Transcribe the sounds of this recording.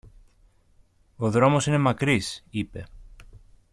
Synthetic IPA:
o̞ðɾo̞mo̞sine̞mɐkɾisipe̞

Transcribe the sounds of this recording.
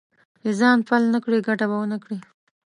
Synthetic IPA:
d̪ezɑnpalnakɽiɡaʈaβawənakɽi

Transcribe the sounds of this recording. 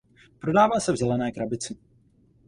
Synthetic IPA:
pɾo̞daːvaːsɛvzɛlɛnɛːkɾabɪt͡sɪ

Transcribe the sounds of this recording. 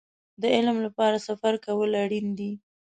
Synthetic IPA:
d̪əɪlmlapɑɾasafaɾkawəlaɽind̪i

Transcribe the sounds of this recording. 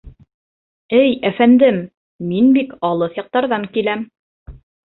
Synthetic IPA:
ɘjæfænd̪ɘmː | inbikɑlˠɤθjɑq̚t̪ɑɾðɑŋkilæm

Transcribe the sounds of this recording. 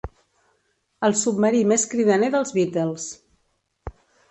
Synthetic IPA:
əlˠsubməɾimeskɾiðəneðəlˠzβit̪ɛlˠs

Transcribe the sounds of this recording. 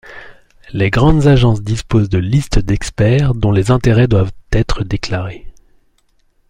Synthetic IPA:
leɡʁɑ̃d̪zaʒɑ̃sd̪ispozd̪əlist̪d̪ɛkspɛʁd̪ɔ̃lezɛ̃t̪eʁɛd̪wavt̪ɛt̪χəd̪eklaʁe

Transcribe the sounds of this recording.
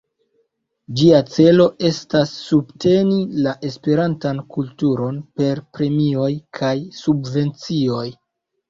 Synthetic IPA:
d͡ʒiat͡se̞lo̞ʔe̞stasːubtʰe̞nilaʔe̞spe̞ɾantankultuɾo̞npe̞ɾpɾe̞mio̞jkʰajsubve̞nt͡sio̞j

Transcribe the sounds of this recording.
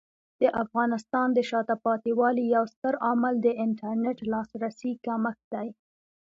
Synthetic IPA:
d̪̥əʔafɣɑnɪst̪ɑnd̪əʃɑt̪apɑt̪iwɑlijawst̪əɾaməld̪əɪɳʈaɾnɪʈlɑsɾasikaməkd̪aj

